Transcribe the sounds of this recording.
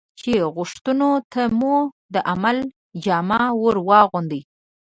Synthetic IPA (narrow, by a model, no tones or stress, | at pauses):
t͡ʃeɣʊʂt̪unot̪ʰamu | d̪əʔamal | d͡ʒɑmɑwoɾwɑɣʊnd̪əj